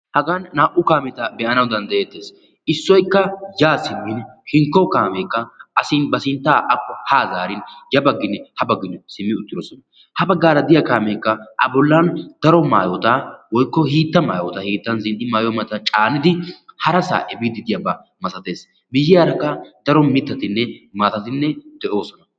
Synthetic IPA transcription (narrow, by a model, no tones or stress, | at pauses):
hɐɡanːaːʔʊkaːmɛt̪ɐbɛʔɐnɐwd̪ɐnd̪ɐʔeːt̪ːe̞ːs | ɪsːɔjkːɐjaːsɪɡɪnhɪŋkːɔkaːmeːkːɐɐsɪnbɐsɪnt̪ːaːʔɐkʼːɔhaːzaːɾɪnjɐbɐɡːɪnːɛhɐbɐɡːɪnːɛsɪmːɪʊt̪ːɪd̪ɔsɔnɐ | hɐbɐɡːaːɾɐd̪ɪjɐkaːmeːkːɐʔɐ̰bɔlːɐnd̪̥ɐɾɔma̰ːjɔt̪ɐwɔjkːɔhiːt̪ːɐma̰ːjɔt̪ɐhiːt̪ːɐnzɪnʔɪmaːjɔmɐt̪ːɐt͡ʃʼaːnɪd̪ɪhɐɾɐsa̰ːʔɛbɪd̪ɪd̪ɪjɐbɐ | mɐsɐt̪e̞ːs | bɪjːɪjaːɾɐkːɐd̪̥ɐɾɔmɪt̪ːɐt̪ɪnːɛmaːt̪ɐt̪ɪnːɛd̪̥ɛʔo̞ːsɔnɐ